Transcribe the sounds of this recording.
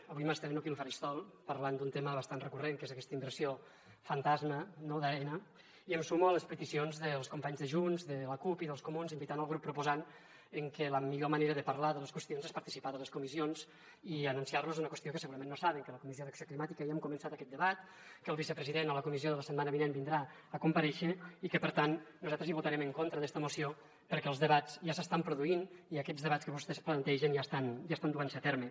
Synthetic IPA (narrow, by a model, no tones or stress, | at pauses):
əβujmast̪ɛβenokilˠfaɾist̪ɔlˠpəɾland̪unt̪eməβast̪anrəkureŋkezəkɛst̪əimbəɾsijo | fənt̪azmənoðaɾɛnə | iəmsumuələspət̪isionzðəlˠskumpaɲzðəʒunzðələkupiðəlˠskumunzimbit̪anəlˠɣ̞ɾupːɾupuzan | əŋkələmiʎoməneɾəðəpaɾlaðələskwəst̪ionzespəɾt̪i̥sipaðələskumizionz | iənunsiarluzunəkwəst̪iokəsəɣuɾəmẽnːosaβəŋkələkumizioðəksioklimat̪ikəjəmkumənsat̪əkɛt̪d̪əβat̪ | kəlˠβisəpɾəziðenələkumizioðələsəd̪manəβinenbind̪ɾa | əkumpəɾɛʃəikəpəɾt̪annuzat̪ɾəziβut̪aɾɛməŋkont̪ɾəðɛst̪əmusio | pəɾkɛəlˠzðəβaz̥ʒasəst̪ampɾuðuiniəkɛd͡zzðəβat͡skəβust̪ɛsplənt̪ɛʒənʒast̪anʒast̪and̪uansət̪ɛɾmə